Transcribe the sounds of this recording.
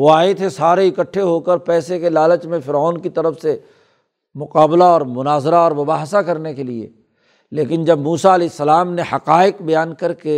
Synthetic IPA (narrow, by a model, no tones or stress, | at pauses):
oaːet̪ʰesaːɾeɪkəʈʰːeɦokəɾpɛːsekelaːlət͡ʃmẽfɪɾɔːnkit̪ɐɾəfse | mʊqaːblaɔːɾmʊnaːzɾaɔːɾmɐbaːɦsakɐɾnekeliḛ | leːkɪnd͡ʒɐbmuːsaɐleːɪsːəlaːmnehɐqaːɪqbɐjaːnkɐɾke